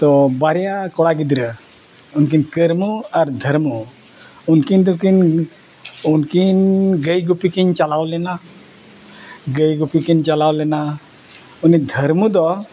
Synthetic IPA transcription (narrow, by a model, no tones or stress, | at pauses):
t̪ɔbaɾɛjakɔɽaɡid̪ɾə | unk̬inkəɾmuaɾd̪ʱəɾmu | unkind̪ukin | unkinɡəjɡupikiɲt͡ʃalawlɛna | ɡəjɡupikint͡ʃalawlɛna | unid̪ʱəɾmud̪ɔ